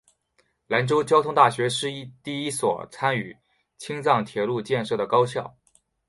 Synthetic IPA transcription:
la˧˥nʈ͡ʂo˥ʊt͡ɕjɑ˥ʊt̪ʰʊ˥ŋt̪a˥˩ɕɥɛ˧˥ʂɻ̩˥˧i˥˧t̪i˥˩i˥swɔ̰˨˩t͡sʰa˥ny˨˩˦ | t͡ɕʰi˥ŋt͡sɑ˥˩ŋt̪ʰjɛ˧˥lu˥˧t͡ɕjɛ˥˧nʂɤ˥˩d̪ə˩kɑ˥ʊɕjɑ˥˩ʊ

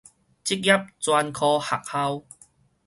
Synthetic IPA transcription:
t͡ɕi˦k̚ja˦˥p̚t͡swa˧nkʰɔː˧ha̰˨˩k̚ha˧w

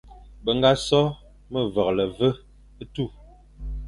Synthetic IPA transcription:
bə˨ŋ˦ɡa˦sɔ˦ | mə˦˨və˨k̚lə˨və˦ | ə˦tu˦˨

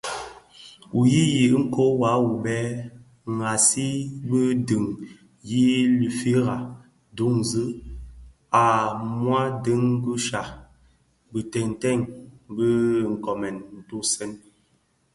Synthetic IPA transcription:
u˨ji˦ji˨ʔŋ̩˦ko˦wa˨˦wu˨bɛ˦ | ŋ˨a˨si˦bə˦dɨ˨ŋ | ji˦li˨fi˦ɾa˨ | du˦ŋ˨zɨ˦ | a˨mwa˦də˦ŋ˦ɡu˦ʃa˨ | bə˨tɛ˨ŋ˨tɛ˦˨ŋbə˦˨ŋ̩˨kɔ˨mɛ˨nn̩˨tu˦sɛ˦n

